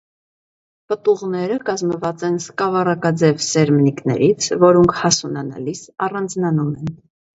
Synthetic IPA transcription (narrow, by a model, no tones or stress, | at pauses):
pət̪uʁnɛɾəkɑzməvɑt͡sɛnskɑvɑrɑkɑd͡zɛvsɛɾmniknɛ̰ɾit͡sʰvɔɾɔŋkʰhɑsunɑnɑ̰lisɑrɑnd͡znɑnumɛn